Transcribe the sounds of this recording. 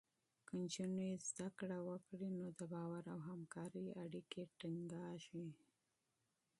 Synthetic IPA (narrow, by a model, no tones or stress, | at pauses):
kənt͡ʃunezd̪akɽawəkɽinod̪əbɑwaɾawɦamkɑɾiaɽikeʈɪŋɡɑʃi